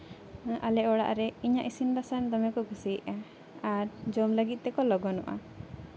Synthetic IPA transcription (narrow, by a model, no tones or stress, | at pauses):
ʔalɛɔɽa̰ʔɾɛiɲaʔisinbasand̪ɔmɛkɔɡusiʔa | aɾd͡ʒɔmləɡit̪̚ˀt̪ɛkɔlɔɡɔnuʔa̰